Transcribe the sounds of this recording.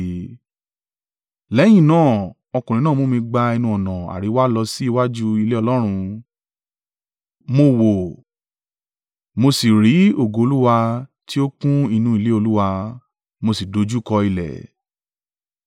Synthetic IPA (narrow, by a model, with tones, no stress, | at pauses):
lɛ˨˦j̃ĩ˦˨nãː˦˨ | ɔ˧kũ˨ɾ̃ĩ˨˦nãː˦˨mo˨˦mĩ˧ɡ͡ba˧ɛ˧nũ˧ɔ˨nã˨a̰˨ɾi˨˦wa˦lɔ˧si˦˧wa˦d͡ʒu˦i˧le˦ɔ˧lɔ˦ɾ̃ũ˧ | mo˧wo˨ | mo˧si˨ɾi˨˦o˨ɡo˨o˧lu˦wa˧ | ti˦o˦kũ˦i˧nũ˧˦i˧le˦o˧lu˦wa˧ | mo˧si˨do˨˧˦d͡ʒu˦˨kɔ˧i˧lɛ̰˨